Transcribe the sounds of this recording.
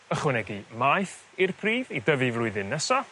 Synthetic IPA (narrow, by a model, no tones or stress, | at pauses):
əχwɪnɛɡimajθ | irpʰriːvidəvɪvrʊɨðɪnːəsɔ